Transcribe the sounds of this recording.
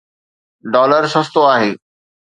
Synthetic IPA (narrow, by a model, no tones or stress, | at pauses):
ɖɔːləɾsɐ̃st̪oaːɦeː